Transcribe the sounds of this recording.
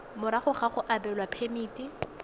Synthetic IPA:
mʊɾaχʊχaχʊʔabɛlwapʰemiːtʼi

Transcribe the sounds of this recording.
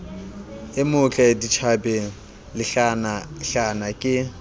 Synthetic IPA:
ɪmʊt͡ɬʼaedit͡ʃʰabɛ | lɪɬanaɬanakʼɪ

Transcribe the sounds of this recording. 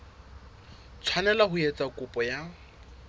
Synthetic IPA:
t͡sʰwanɛlaɦʊet͡sʼakʼʊpʼɔja

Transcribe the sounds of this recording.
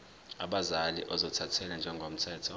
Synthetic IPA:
aɓazalḭʔɔzɔtʰatʰɛlɛnd͡ʒʱɛŋɡʱom̩tʰɛːtʰɔ

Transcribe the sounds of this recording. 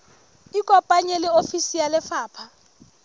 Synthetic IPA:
ikʼɔpʼaɲɛlɛofisijalɛfaːpʰa

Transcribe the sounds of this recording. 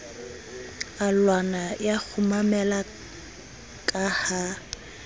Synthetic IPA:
alwanajak͡xʰʊmamɛla | kʼaha

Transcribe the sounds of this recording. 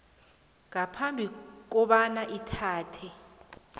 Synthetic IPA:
ŋapʰambʱik̬ɔɓanaʔitʰaːtʰɛ

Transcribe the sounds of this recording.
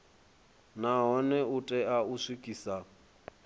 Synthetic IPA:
naɦɔnɛutʼɛauʂikʼiːsa

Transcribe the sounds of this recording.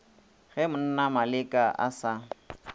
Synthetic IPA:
ɣɛmʊn̩namalɪkʼaʔa̰sa

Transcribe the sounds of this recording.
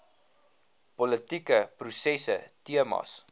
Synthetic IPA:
pɔlətikəprusɛsə̰tiəmɑ̰s

